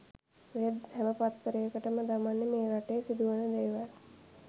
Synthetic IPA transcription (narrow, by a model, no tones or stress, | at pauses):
ejəd̪hɛʋəpat̪ːəɾəjəkəʈəməd̪amanːemeːɾaʈejsid̪uʋənəd̪eːʋal